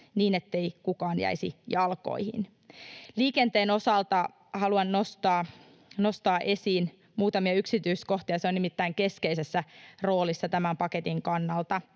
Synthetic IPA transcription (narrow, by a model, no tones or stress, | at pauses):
niːne̞t̪ːe̞ikukɑːnjæ̰isḭjɑlko̞̰ihḭn | liːke̞nt̪eːno̞sɑlt̪ɑ | hɑluɑnːo̞st̪ɑː | no̞st̪ɑːʔe̞siːn | muːt̪ɑmiɑyksit̪yːsko̞ht̪iɑseo̞nimit̪ːæiŋke̞skeise̞sːæro̞ːlisːɑt̪æmæmpɑket̪iŋkɑnːɑlt̪ɑ